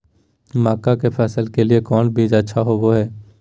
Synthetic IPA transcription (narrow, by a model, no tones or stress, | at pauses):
maːkakepʰɛːsəlkeliekɔːnbʱiːd͡ʒətːʃʰaɦoʋoɦɛː